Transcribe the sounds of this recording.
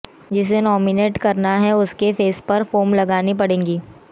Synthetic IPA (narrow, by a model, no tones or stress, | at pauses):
d͡ʒɪs̬menɔːmɪneːʈkɐɾnaɦɛʊskefeːspɐɾfoːmlɐɡaːnip̬ɐɽẽːŋɡiː